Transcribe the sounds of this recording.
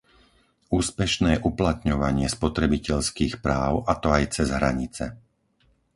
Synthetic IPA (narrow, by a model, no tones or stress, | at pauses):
uːspɛʃnɛːʔuplat̪ɲɔʋaɲɪɛspɔt̪ɾɛbicɛʎskiːxpɾaːʊʔat̪ɔajt͡sɛzɦɾa̰ɲit͡sɛ̰